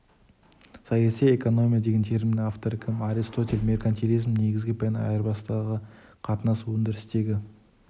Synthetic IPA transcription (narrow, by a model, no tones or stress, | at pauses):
sɑjɑsije̞ko̞no̞mʲijad̪e̞ɡʲent̪ʰe̞ɾmʲinaft̪oɾɪkʲʰɪmaɾist̪o̞t̪ʲelʲme̞rkant̪ʰʲeɾizmne̞ɡʲɪzɡʲɪpʰenɑ̰jəɾbɑsd̪ɑʁəqʰɑt̪ənɑsuwɵnd̪ɪɾɪst̪e̞ɡʲɪ